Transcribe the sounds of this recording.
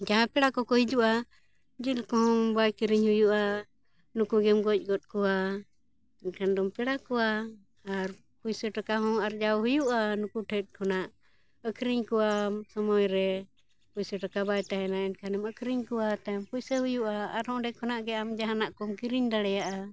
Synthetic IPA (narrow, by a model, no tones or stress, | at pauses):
d͡ʒaɦãpɛɽakɔkɔɦid͡ʒuʔa | d͡ʒilkɔɦɔ̃ŋbajkiɾiɲhujuʔa | nukuɡɛmɡɔc̚ˀɡɔt̪̚ˀkɔwa | ɛnkʰandɔmpɛɽakɔwaː | ɾ | pujsəʈakaɦɔ̃aɾd͡ʒawɦujuʔanukuʈʰɛt̪̚ˀkʰɔnaʔ | əkʰɾiɲkɔwasɔmɔjɾɛ | pujsəʈakabajʈaɦɛnaɛnkʰanɛməkʰɾiɲkɔwat̪ajmpujsəɦujuʔaːɾhɔ̃ɖɛkʰɔnaʔɡɛamd͡ʒaɦanaʔkɔmkiɾiɲdaɽɛjaʔa